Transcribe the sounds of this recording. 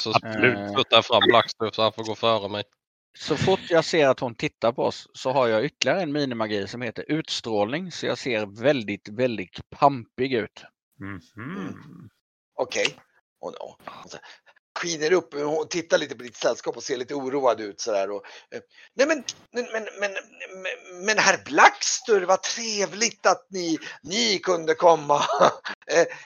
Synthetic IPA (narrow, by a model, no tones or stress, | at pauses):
sɔlʉ̟ːt̪ɵt̪ːaafɾamːlakst̪ɵsɔanfoːɾɡoːfœːɾəmɛj | sɔfʊʈjɑseːɾat̪hʊnt̪ʰɪt̪ːaɾpʰɔɔ̰sːɔɦaɾjɑʏt̪ʰːəlɪaɾəɛnmiːnɪmaɡiːsɔmheːt̪əɾʔʉ̟ːt̪st̪ɾoːlnɪŋsɔjɑ̰ːseːɾvɛld̪ɪt̪vɛld̪ɪt̪pʰampɪɡʉ̟ːt̪̩ | ɔkʰɛj | ʔɔ̰no̰ns | ɧiːnəɾɵpːʊt̪ʰɪt̪ːaɭiːt̪əpɔd̪ɪt̪sɛlːskɑːpɔseːɾɭiːt̪əuːɾuːad̪ʉ̟ːt̪sɔd̪æːɾɔ | nɛmɛn | ɛmɛnmɛn | mɛnhæɾblakst̪ɵɾvat̪ʰɾeːvlɪt̪at̪̚nɪnɪkʰɵnd̪əkʰɔmːa